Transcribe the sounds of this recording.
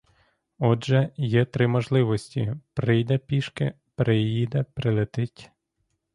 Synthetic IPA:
ɔʒɛjɛt̪ɾɪmɔʒlˠɪʋɔsʲtʲḭpɾɪjd̪ɛpʲiʃkɪ̰ | pɾɪjid̪ɛpɾɪlˠet̪ɪtʲ

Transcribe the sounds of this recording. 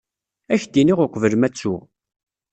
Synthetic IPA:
æçd̪iniʁʊqʷəvəlmæt͡sːʊʁ

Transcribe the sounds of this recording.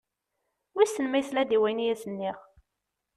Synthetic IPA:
wisənmæjθlæd̪iwæjnijæsənːiʁ

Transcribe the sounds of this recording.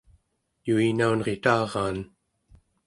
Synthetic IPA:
juinaunʁet̪ɑːʁɑːn

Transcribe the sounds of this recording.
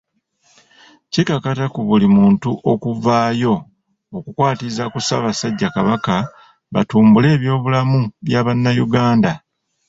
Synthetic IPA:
cikakatakuβulimuːntuʔo̞kuvaːjo̞ | okukwaːtizakusa̰βasaɟːakaβaka | βatuːmbule̞ːβjo̞ːβulamuβjaβanːajuɡaːnda

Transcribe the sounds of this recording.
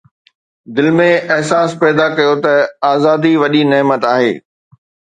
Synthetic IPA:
d̪ɪlmẽɐɦsaːspɛːd̪akɐjot̪ɐaːzaːd̪iʋɐʄinɛɦmət̪aːɦḛː

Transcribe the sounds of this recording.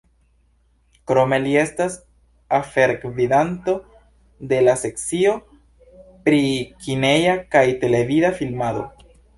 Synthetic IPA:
kɾo̞me̞lie̞stas | afe̞ɾkvidanto̞ | d̪e̞lase̞k̚t͡sio̞ | pɾikine̞jakajte̞le̞vidafilmado̞̰

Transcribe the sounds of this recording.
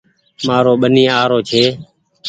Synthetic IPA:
maːɾoːɓənĩːaːɾoːt͡ʃʰeː

